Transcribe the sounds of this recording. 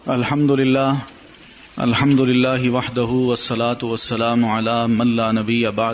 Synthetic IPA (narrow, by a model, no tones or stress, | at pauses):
ɐlħɐmd̪ʊlɪlːaːɦ | ɐ̰lɦɐmd̪ʊlɪlːaːɦɪʋɐħd̪aɦuːʋɐsːɐlaːt̪ʊʋɐsːɐlaːmʊʕalaːmɐnlaːnɐbɪjːɐbaʕ